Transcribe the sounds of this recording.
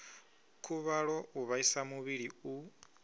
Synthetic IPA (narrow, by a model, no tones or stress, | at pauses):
kʰuβaɺɔuβaisamuβiɺiu